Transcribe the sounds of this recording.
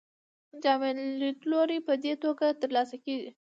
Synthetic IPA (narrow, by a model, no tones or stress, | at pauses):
d͡ʒɑmelit̪loɾipəd̪et̪oɡat̪əɾlɑsakeɡi